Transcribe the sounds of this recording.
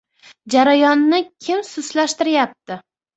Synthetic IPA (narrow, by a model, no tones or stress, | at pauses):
d͡ʒaɾajɒnːɪkʲʰɪmsʊslaʃt̪ɪɾjap̚t̪ɪ